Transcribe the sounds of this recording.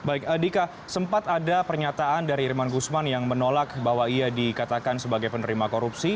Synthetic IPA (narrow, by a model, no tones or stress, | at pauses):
baɪkədika | səmpat̪adapərɲat̪aʔandaɾiːrmanɡusmanjaŋmənolak̚baɦwaiadikat̪akansəbaɡajpənəɾimakoɾupsi